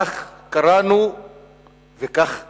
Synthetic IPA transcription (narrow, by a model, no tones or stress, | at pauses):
xkaɾanu | vekax